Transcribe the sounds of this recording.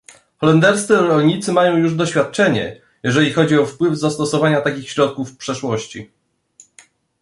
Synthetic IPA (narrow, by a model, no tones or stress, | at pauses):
xɔlɛnd̪ɛɾst̪sɘɾɔlɲit̪sɘmajɔ̃w̃juʐd̪ɔɕfʲjat̪̚t͡ʂɛɲɛ̰ | jɛʐɛlʲixɔd͡ʑiɔfpwɘvzast̪ɔsɔvaɲat̪akʲixɕɾɔt̪̚kufpʂɛʂwɔɕt͡ɕḭ